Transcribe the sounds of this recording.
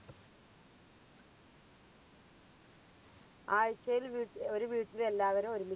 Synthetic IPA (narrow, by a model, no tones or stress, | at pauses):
aːjt͡ɕːɐjilʋiːo̞ɾuʋiːʈːile̞lːaːʋɐɾumo̞ɾumi